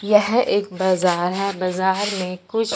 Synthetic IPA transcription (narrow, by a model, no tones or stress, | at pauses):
jɛɦeːk̚baːzaːɾɦɛbaːzaːɾmẽkʊt͡ʃʰ